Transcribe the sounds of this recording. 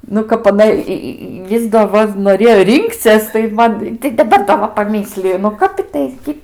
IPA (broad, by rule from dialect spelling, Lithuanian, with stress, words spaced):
nʊ ˈkɐp ɐˈnɐ ɪ ˈɪ ˈɪs doː ˈʋɐ noːˈrʲeːjoː ˈrʲɪŋkt͡sʲiɛs tɐɪ ˈmɐn tɐɪ dɐˈbɐr dɐ ˈʋɐ pɐˈmʲɪsʲlʲɪjʊ nʊ ˈkɐp ˈɪtɐɪ ɡʲɪ